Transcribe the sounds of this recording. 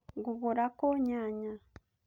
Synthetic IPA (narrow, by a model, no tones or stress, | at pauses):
ɡuβuɾakoɲaɲa